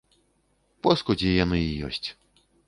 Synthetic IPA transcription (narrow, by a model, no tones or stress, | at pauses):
pɔskɔd͡zʲɛjanɨijɔ̰sʲt͡sʲ